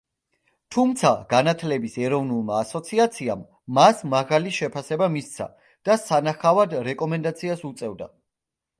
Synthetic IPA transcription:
t̪ʰumt̪sʰaɡanat̪ʰlɛbisɛɾɔvnulˠmaːsɔt̪sʰiat̪sʰiamː | asmaʁaliʃɛpʰasɛbamist̪sʰa̰ | d̪̥asanaχavad̪ɾɛkʼɔmɛnd̪at̪sʰiasut̪sʼɛvd̪a̰

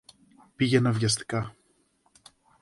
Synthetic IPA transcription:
piʝenɐvʝɐst̪i̥kɐ

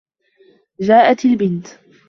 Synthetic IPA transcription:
d͡ʒaːʔat̪ɪlbɪnt̪

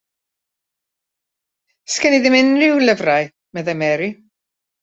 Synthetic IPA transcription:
skəniðɪmɪnrɪwləvraj | mɛðajmɛɾi

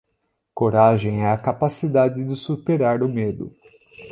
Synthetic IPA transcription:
koɾaʒẽj̃ɛɐkapasid̪ad͡ʒɪd͡ʒɪsupeɾaɾʊmed̪ʊ̰

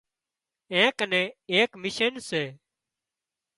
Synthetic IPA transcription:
ɛ̃ːkənẽːeːkmɪʃənseː

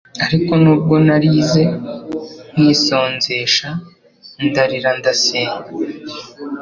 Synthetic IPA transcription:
aɾiko̞nuːb̚ɡo̞naɾiːze̞ | n̥iːso̞ːnze̞ːʃa | ndaɾiɾandaseːɲa

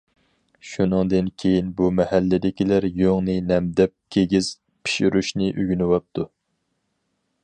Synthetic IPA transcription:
ʃunɨŋd̪ɨnkʲʰejinbumɛhælːɪd̪ɪkʲilæɾjoŋnɨnɛmd̪ɛp̚kʲʰeɡʲiz̥ | pʰi̥ʃyɾuʃnɪʔyɡʲynɪwɑp̚t̪ʰu

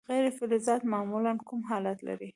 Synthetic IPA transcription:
ɣajɾɪfɪlɪzɑt̪mɑmulankumɦɑlat̪la̰ɾi

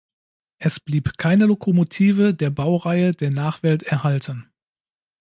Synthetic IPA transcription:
ʔɛsb̥liːpkʰaɪnəlokʰomotʰiːvədeːɐbaʊʁaɪədeːɐnaːχv̥ɛltɛɐhaltʰən

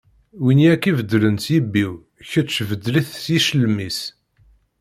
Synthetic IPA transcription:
winiækːivəd̪ːlənt̪jibːiw | çət͡ʃːvəd̪ːliθsjiʃəlmis

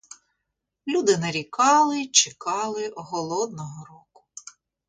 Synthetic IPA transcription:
lʲud̪ɪnɐɾʲikɑlˠɪt͡ʃɪkɑlˠɪɔɦɔlˠɔd̪nɔɦɔɾɔkʊ̥

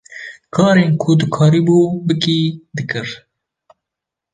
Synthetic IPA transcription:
kʰɑːɾeːnkʰʊd̪ɨkʰɑːɾiːbuːbɨkiːd̪ɨkɨɾ

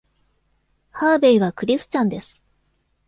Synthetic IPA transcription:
haːbe̞iβakɯ̟ɾʲisɨ̥t͡ɕãnd̪e̞sɨ̥

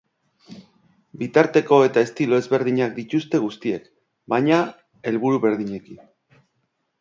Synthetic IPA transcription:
bit̪aɾt̪e̞ko̞e̞t̪ae̞st̪ilo̞e̞zβe̞ɾðiɲak̚d̪it̪ust̪e̞ɣust̪ie̞k | bajɲa | e̞lβuɾuβe̞ɾðiɲe̞kin

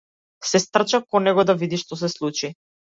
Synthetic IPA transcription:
sɛst̪r̩t͡ʃakɔnɛɡɔd̪avid̪iʃt̪ɔs̬ɛslˠut͡ʃi

